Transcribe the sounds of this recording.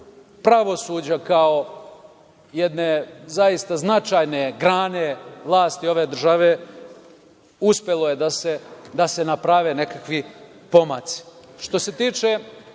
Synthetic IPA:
pɾaʋo̞suːd͡ʑakao̞ | jed̪nezajist̪aznat͡ʃajne̞ɡɾaːne̞ʋlˠaːst̪io̞ʋe̞ːd̪r̩ʒaʋe | uspʲjelˠo̞jed̪ased̪asenapɾaʋene̞kakʋi | po̞mat̪si̥ʃt̪o̞se̞t̪iːt͡ʃe

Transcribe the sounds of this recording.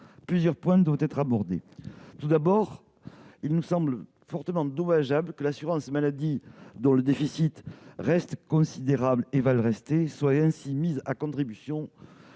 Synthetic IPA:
plyzjœʁpwɛ̃d̪wavt̪ɛt̪χabɔʁd̪ḛt̪ud̪abɔʁ | ilnusɑ̃blə | fɔʁt̪əmɑ̃d̪omaʒabləkəlasyʁɑ̃smalad̪id̪ɔ̃ləd̪efisit̪ʁɛst̪kɔ̃sid̪eʁablevaləʁɛst̪eswaɛ̃simizakɔ̃t̪χibysjɔ̃

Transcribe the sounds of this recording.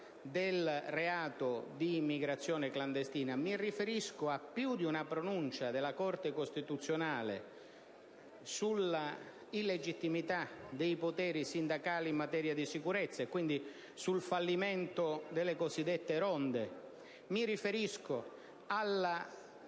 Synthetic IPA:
d̪elreaːt̪od̪imːiɡɾat̪sːjɔːnekland̪est̪iːnamirifeɾiskʊapːjud̪iunapɾonunt͡ʃad̪elːakɔrt̪ekost̪it̪ut̪sːjonaːlḛ | sulːa | ilːed͡ʒit̪ːimit̪ad̪ejpot̪ɛːɾisind̪akaːliːmːat̪ɛːɾjad̪isikuɾet̪sːaekwind̪i | sulfalːiment̪od̪elːekozid̪ːet̪ːeɾɔnd̪e | mirifeɾisko | alːa

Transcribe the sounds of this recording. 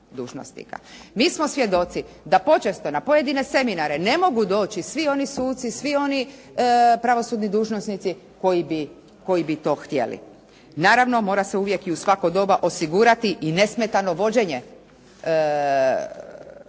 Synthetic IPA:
d̪uːʒno̰snḭka̰miːsmo̞sʋje̞d̪o̞t̪si | d̪apo̞t͡ʃest̪o̞napo̞je̞d̪ine̞se̞minaɾe̞ne̞mo̞ɡud̪o̞ːt͡ʃisʋio̞nisuːt̪sisʋio̞ni | pɾaʋo̞suːd̪nid̪uːʒnosnit̪si | ko̞jibi | ko̞ibit̪o̞ːxt̪je̞̰lḭ | naːɾaʋno̞mo̞ːɾaseuʋje̞kiusʋakod̪o̞baʔo̞siɡuːɾat̪iʔine̞smet̪ano̞ʋo̞d͡ʑe̞ɲe̞

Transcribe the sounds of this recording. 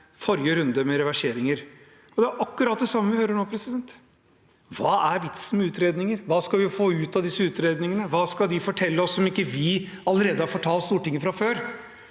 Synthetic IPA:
fɔɾjəɾʉnd̪əmɛɾɛʋæʂeːɾɪŋəɾ | ɔd̪ɛæɾʔɑkːʉɾɑːt̪̚d̪ɛsɑmːəʋɪhøːɾəɳoːpʰɾɛsɪd̪ɛnt̪ | ʋɑːʔæɾʋɪt̪səmɛʉːt̪ɾeːd̪nɪŋəɾʋɑːskɑlʋɪfoːʉːt̪ɑd̪ɪsːəʉːt̪ɾeːd̪nɪŋənəʋɑːskɑd̪ɪfɔʈʰɛlːəɔsːɔmɪkːəʋɪɑləɾeːd̪əhɑɾfɔʈʰɑːlt̪st̪uːʈɪŋːəfɾɑføːɾ

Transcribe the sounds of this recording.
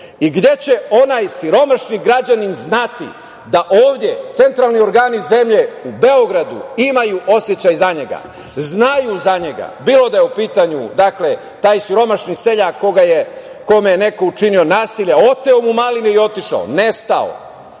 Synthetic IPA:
iɡd̪je̞t͡ɕe̞o̞najsiɾo̞maʃniɡɾad͡ʑaninznat̪ḭ | d̪aʔoːʋd̪je̞t̪se̞nt̪ɾaːlˠnio̞ɾɡaːnize̞mʎe̞ube̞oɡɾad̪ṵimajuʔo̞sje̞t͡ɕajzaɲe̞ɡa̰ | znajuzaɲe̞ɡa̰biːlo̞d̪ajeupiːt̪aɲud̪akle̞ | t̪aːjsiɾo̞maʃɲise̞ʎako̞ɡaje | ko̞mejene̞ko̞ut͡ʃinio̞naːsiʎeo̞t̪e̞omumaliniio̞t̪iʃa̰o̰ne̞st̪ao̰

